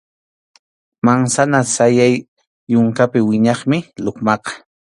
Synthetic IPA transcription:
maŋsanasajajː | ʊŋkapɪwɪɲɑχmɪloχmɑqɑ̥

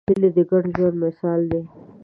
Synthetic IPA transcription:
ɪled̪əɡaɽʒwand̪mɪsɑːld̪e

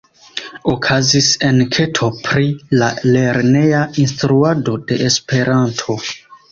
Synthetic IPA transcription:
okʰazise̞nkʰe̞tʰo̞pɾilale̞ɾne̞jainstɾuado̞de̞ʔespe̞ɾʔantʰo̞

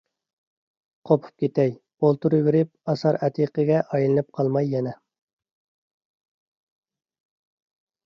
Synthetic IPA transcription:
qʰopʰu̥p̚kʲet̪ɛj | bolˠt̪uɾɨwɪɾɪp̚ɑsɑɾɛt̪ʰiqəɡʲɛʔɑjlˠɨnɨp̚qʰɑlˠmɑjːɛnɛ

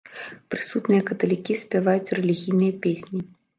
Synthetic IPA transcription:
pɾɨsut̪nɨjɐkɐt̪ɐlʲikʲisʲpʲavajut͡sʲrɛlʲiɣʲijnɨjɐpʲesʲnʲi

